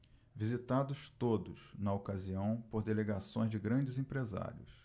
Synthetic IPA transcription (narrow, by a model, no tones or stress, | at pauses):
vizit̪ad̪ʊst̪od̪ʊsnɐokaziɐ̃w̃poɾd̪eleɡasõj̃zd͡ʒɪɡɾɐ̃d͡ʒɪzẽpɾeza̰ɾjʊ̰s